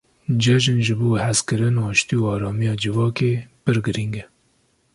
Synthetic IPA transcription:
d͡ʒɛʒɪnʒɨbuːhɛzkɨɾɨnɑːʃt̪ijuɑːɾɑːmijɑːd͡ʒɪvɑːkeːpɨɾɡɨɾiŋɡɛ

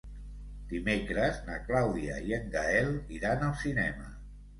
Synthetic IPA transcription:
d̪̥imekɾəznəklawðiə̰iəŋɡaɛlˠiɾanəlˠsinɛmə

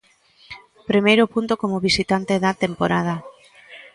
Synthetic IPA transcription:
pɾimejɾʊpunt̪okomoβisit̪ant̪eðat̪empoɾað̞a

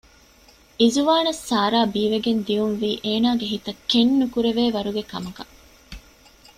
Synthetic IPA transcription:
izuʋaːnɐsːaːɾaːbiːʋeɡend̪iunʋiːʔeːnaːɡeɦit̪ɐkːenːukuɾeʋeːʋɐɾuɡekɐmɐkɐ

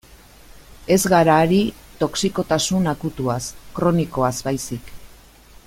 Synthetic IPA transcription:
e̞zɣaɾaːɾit̪o̞ksiko̞t̪asunakut̪uaskɾo̞niko̞azbajsik

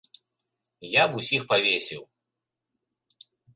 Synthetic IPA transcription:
jabusʲixpavʲesʲiw

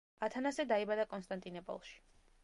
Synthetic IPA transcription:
at̪ʰanasɛd̪aibad̪akʼɔnst̪ʼant̪ʼinɔpʼɔ̰lˠʃi̥

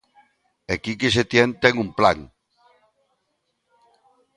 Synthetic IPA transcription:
ekikes̬et̪jɛnt̪ɛŋumpla̰ŋ

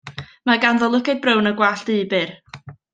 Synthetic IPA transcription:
maɡanðɔlˠʊkɛd̚brəwnəɡwaɬd̥iːbɨr

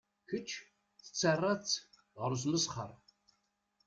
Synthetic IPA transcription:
çət͡ʃʰː | θt͡sːarːat͡s | ʁəɾus̬məsχə̰ɾˤ

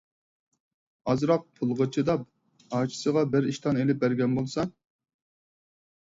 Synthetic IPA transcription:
ɑzɾɑq̚pʰʊlˠʁət͡ʃʰɨd̪ɑp̚ | ɑːt͡ʃʰi̥səʁɑbɪɾiʃt̪ʰɑnelɪp̚bæɾɡʲɛnbolˠsɑ

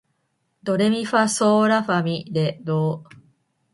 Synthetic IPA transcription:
d̪o̞ɾe̞mʲiɸasoːɾaɸamʲid̪e̞d̪oː

